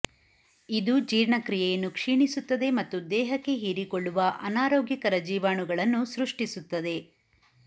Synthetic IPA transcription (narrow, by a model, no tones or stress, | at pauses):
id̪ud͡ʒiːɾɳɐkɾijejɐnːukʂiːɳisut̪ːɐd̪e̞mɐt̪ːud̪ɛːɦɐkːe̞ɦiːɾikoɭːuʋɐʔɐnaːɾoːɡjikɐɾɐd͡ʒiːʋaːɳuɡɐɭɐnːusɾuʂʈisut̪ːɐd̪e̞